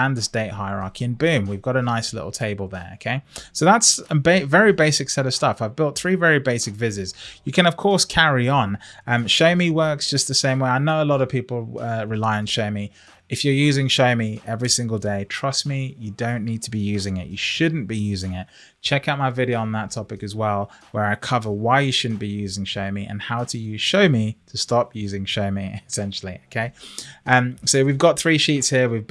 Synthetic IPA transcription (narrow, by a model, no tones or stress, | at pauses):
æ̃nðəsdeɪt̚ɦaɪəɹɑ̰ɹkiɨ̃nbʉ̃ːmwivɡɑɾənaɪslɪ̰ɾl̩ˠtʰeɪbəlˠðə̰˞o̰ʊkʰeɪsoʊðætsəbeɪvɛɹibeɪsɨksɛɾʌv̥stʌfaɪvbɪlˠt̪̚θɹivɛɹibeɪsɨkvɪzɪz̥jɨkʰɨ̃nʌv̥kʰɔɹskʰæɹiə̃nʌ̃mʃoʊmiwɜˑ˞ksd̥ʒ̥ʌs̚ðɨsẽɪ̃mweɪaɪnoʊəlɔɾʌv̥pʰipl̩ˠʌɹɨlaɪə̃nʃoʊmi | ɨfjə˞jʉːzɪ̃ŋʃoʊmiɛvɹisɪ̃ŋɡəl̩ˠdeɪtʰɹ̥ʌsmijɨdõʊ̃nːid̚tʰəbijʉːzɪ̃ŋɪ̰t͡ʃɨʃʊdⁿn̩b̥ijʉzɪ̃ŋɪt̚ | t͡ʃʰɛkaʊt̚maɪvɪɾioʊə̃nðətʰɒpɪkɨzwɛlˠwə˞aɪkʰʌvəwaɪjɨʃʊdⁿn̩b̥ijʉzɪ̃ŋʃəʊmiʔə̰̃nhaʊdɨjɨʃəʊmitʰəstɒpʰjʉzɪ̃ŋʃəʊmiɪsɛ̃nʃl̩ˠioʊkʰeɪʌ̃msoʊwivɡɒt̪θɹiʃiˑtshiəwiv